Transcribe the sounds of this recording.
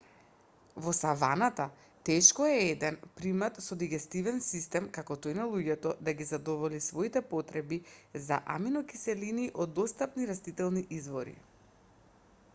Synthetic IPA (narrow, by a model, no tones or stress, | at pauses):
vɔsavanat̪a | t̪ɛʃkɔɛɛd̪ɛnpɾimat̪sɔd̪iɡɛst̪ivɛnsist̪ɛmkakɔt̪ojnalˠuɟɛt̪ɔd̪aɡizad̪ɔvɔlisvoit̪ɛpɔt̪ɾɛbiza̰ʔa̰minɔkisɛliniʔɔd̪ːɔst̪apniɾast̪it̪ɛlˠniʔizvɔɾḭ